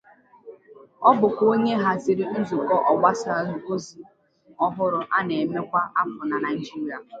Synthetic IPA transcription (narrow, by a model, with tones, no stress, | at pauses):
ɔ˦bʊ˨kʷo˦ɲe˦ɦa˨zɪ˨ɾɪ˦n̩˦zʊ˨kɔ˦ʔɔ˨ɡ͡ba˦sa˦˨ɦu˨o˦zi˨ | ɔ˦ɦʊ˦ɾʊ˨ʔa˦ne˨me˦kʷa˦a˦pʊ˨na˨na˨i˨d͡ʒi˦ɾi˨a˨